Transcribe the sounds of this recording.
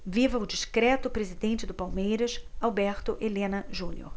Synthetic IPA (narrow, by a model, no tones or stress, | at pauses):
vivɐʊd͡ʒiʃkɾɛt̪ʊpɾezid̪ẽnt͡ʃɪd̪ʊpawmejɾɐʃawbɛɾt̪ʊʔelẽnɐʒũnḭo̰ɾ